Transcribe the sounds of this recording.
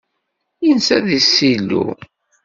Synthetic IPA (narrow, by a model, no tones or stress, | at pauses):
jənsæðisːilːṵ